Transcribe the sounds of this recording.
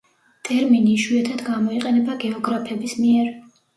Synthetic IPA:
t̪ʼɛɾminiʃwiɛt̪ʰad̪ɡamɔiqʼɛnɛbaɡɛɔɡɾapʰɛbismiɛɾ

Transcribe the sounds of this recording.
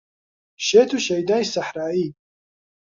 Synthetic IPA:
ʃeːt̪ʰuʃɐjd̪aːisaħɾaːi

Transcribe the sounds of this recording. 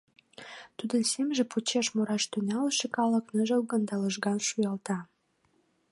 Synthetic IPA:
t̪ud̪ə̆nsemʒĕput͡ɕeʃmoɾɑʃt̪ynʲɑləʃekɑlə̆knəʒəlɣənd̪ɑləʃɣɑnʃujɑlt̪ɑ

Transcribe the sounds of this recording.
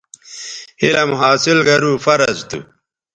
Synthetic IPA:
hilɐmuɦaːsilɡɐɾufɐɾɐd͡ʑt̪ṵ

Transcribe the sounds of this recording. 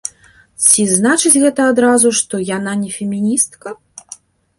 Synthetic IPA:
t͡sʲiznat͡ʂɨt͡sʲɣɛt̪ɐːd̪ɾazuʂt̪ɔjananʲɛfʲɛmʲinʲist̪kɐ

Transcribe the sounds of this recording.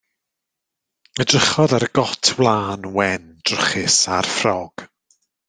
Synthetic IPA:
ədrəχɔðaɾəɡ̥ɔtʰwlˠaːnwɛnd̥rəχɪsarfrɔɡ̥

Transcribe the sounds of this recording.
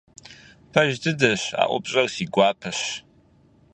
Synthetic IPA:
pʰaʒdʰɨdɐʃa̰ʔʷʊ̰pʼɕʼɐrsiɡʷaːpʰɨʃ

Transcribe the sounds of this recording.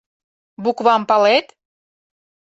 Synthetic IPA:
bukβɑmpɑlet̪

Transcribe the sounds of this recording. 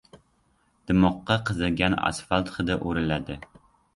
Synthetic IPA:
d̪̥ɪmɑqːɑqʰɨzɨlɡʲænɑ̰sfɑlˠt̪χɨd̪ɪʔuɾɪlæd̪ɪ

